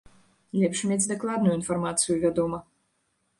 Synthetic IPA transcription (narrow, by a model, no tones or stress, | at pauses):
lʲɛpʃmʲɛzʲd̪ʲɛklˠaːd̪nujinfɔrmat̪sɨjuvʲɛd̪ɔmɐ